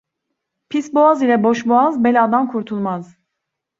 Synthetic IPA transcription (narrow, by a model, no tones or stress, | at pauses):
pʰisboazilʲɛboʃboazbelʲad̪amkʰuɾt̪ʰulˠmaz̥